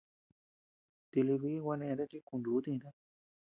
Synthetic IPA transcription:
t̪i˧li˧βi˦˧wʷa˧nẽ˧˨d̪a˦t͡ʃi˦kũ˧nd̪u˨˦t̪ĩ˧d̪a˦

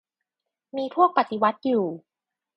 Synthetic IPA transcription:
miː˧pʰu˥˩ək̚pa˨˩t̪i˧wa˦˥t̪̚juː˨˩

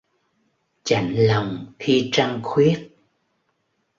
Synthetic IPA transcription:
t͡ɕa̰˧˩˨jŋ̟la˨˩wŋ͡mxi˧t͡ɕa˧ŋxwi˦˥ət̚

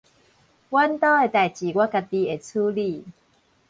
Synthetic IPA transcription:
kwa˦nt̪ɔ˥˦e˧˩t̪a˨˩jt͡ɕi˨˩ɡwa˦˥ka˧t̪i˧e˧˩t͡sʰu˦li˥˧˨

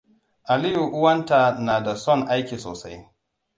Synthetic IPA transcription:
ʔa˨lɪ˦ju˨ʔʊ˦wɐ˦nta˨naː˨da˨sɔ˦˨ŋʔa˦jkʲiː˨so̰ː˨sa˦j

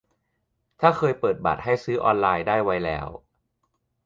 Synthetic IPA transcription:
t̪ʰaː˥˩kʰɤː˧jpɤː˨˩t̪̚ba̰˨˩t̪̚ha˥˩jsɯː˦˥ʔɔː˧nlaː˧jdaː˥˩jwa˦˥jlɛ̰ː˦˥w

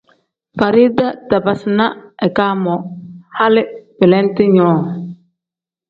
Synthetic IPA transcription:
fa˨ɾi˦da˦ta˨ba˨sɪ˨na˦ɛ˨kaː˦mɔ˨ha˦lɪ˦pɪ˨lɛ˦n˦tɪ˦ɲɔː˦˨

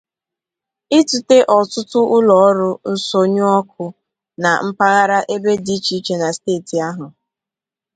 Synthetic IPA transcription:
ɪ˦tu˨te˦ʔɔ˨tʊ˦tʊ˦ʔʊ˦lɔ˨˦ɾʊ˦n̩˦so˦ɲʊ˦ɔ˦k̚ʰʊ˨ | na˨m̩˦pa˦ɣa˦ɾa˦ʔe˦be˦di˦t͡ʃi˨i˦t͡ʃe˨na˨steː˦˨ti˨a˦ɦʊ˨

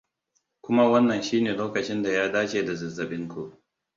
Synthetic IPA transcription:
kʷʊ˦ma˦wɐ˦nːɐ˨nʃiː˦neː˨loː˦kɐ˨t͡ʃɪ˦nda˨jaː˦daː˦t͡ʃeː˨da˨zɐ˨zːɐ˨ɓɪ˦ŋkʷu˦˨ʔ

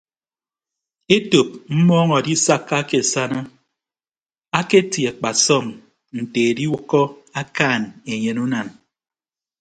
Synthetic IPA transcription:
e˦to˨p̚m̩˦mɔː˦ŋɔ˨di˦sa˦kːa˦ke˨sa˦na˦ | a˦ke˦tja˨k͡pa˨sɔ˦˨ŋ | n̩˨te˨e˨di˦wkːɔ˦a˦kaː˦˨ne˨ɲe˨nu˦na˨n

